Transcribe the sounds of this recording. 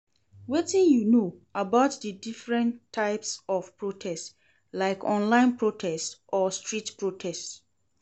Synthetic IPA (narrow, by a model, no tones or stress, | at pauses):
wetĩnjuno | abaʊtdədifɹɛ̃ntʰːaɪpsɔfpɹotʰɛst | laɪkʰɔ̃nlãɪ̃npɹotʰɛstɔstɹitpɹotʰɛst